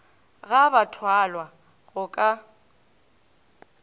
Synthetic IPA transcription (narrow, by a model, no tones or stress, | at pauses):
ɣabatʰwalwa | ɣʊkʼa